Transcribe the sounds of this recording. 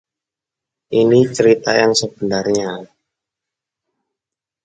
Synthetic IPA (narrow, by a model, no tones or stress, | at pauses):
ʔinit͡ʃəɾit̪ajaŋsəb̥ənarɲa